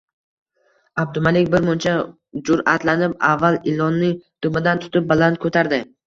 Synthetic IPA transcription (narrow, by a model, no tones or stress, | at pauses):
ab̚d̪ʊmalɪkʲbɪɾmʊnt͡ʃʰa | d͡ʒʊɾa̰t̪lanɪp̚avːalɪlɒnːɪd̪̥ʊmɪd̪ant̪ʰʊ̥t̪ɪp̚balant̪̚kʰot̪ʰaɾd̪ɪ